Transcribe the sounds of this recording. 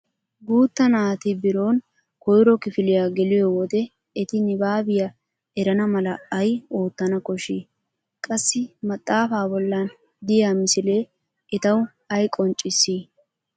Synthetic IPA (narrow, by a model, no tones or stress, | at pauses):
ɡuːt̪ːɐnaːt̪ɪbɪɾo̞ːn | kɔjɾɔkɪfɪlɪjaɡɛlɪjɔwɔt̪ɛ | ɛt̪ɪnɪbaːbɪjɐ | ɛɾɐnɐmɐlɐɐjo̞ːt̪ːɐnɐkɔʃiː | kʼɐsːɪmɐt̪ʼːaːfaːbɔlːan | d̪ɪjamɪsɪle̞ː | ɛt̪ɐw | ɐjkʼɔnt͡ʃʼːɪsːiː